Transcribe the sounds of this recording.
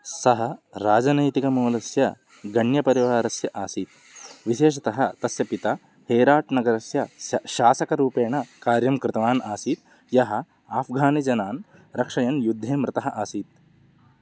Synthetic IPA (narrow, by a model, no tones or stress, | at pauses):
sɐɦɐɾaːd͡ʒɐnɐjt̪ikɐmoːlɐsjɐ | ɡɐɳjɐpɐɾiʋaːɾɐsjɐʔaːsiːt̪̚ | ʋiʃeːʂ̬ɐt̪ɐɦɐt̪ɐsjɐpit̪ɐ | heːɾaːʈnɐɡɐɾɐsjɐʃaːsɐkɐɾuːpeːɳɐkaːɾjɐmkɾɪt̪ɐʋaːnaːsiːt̪̚ | jɐɦɐ̆ | aːfɡʱaːnid͡ʒɐnaːn | ɾɐkʂɐjɐnjud̪ʱːeːmɾɪt̪ɐɦɐʔaːsiːt̪̚